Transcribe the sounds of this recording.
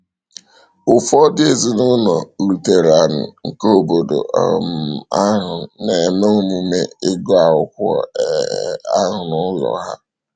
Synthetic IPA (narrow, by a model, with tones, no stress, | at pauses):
ʊ˨fɔ˦dɪ˦e˨zi˦nʊ˦nɔ˨lu˨te˨ɾa˨n̩˨ŋ̩˨ko˦˨bo˨do̰˨ma˦ɦʊ˨ne˨mo˦o˦mu˨me˦ɪ˦ɡɔ˦a˨ʊ˦kʷʊ˦ɔ̰˨ | a˦ɦʊ˨nʊ˦lɔ̰˨ɦa̰˦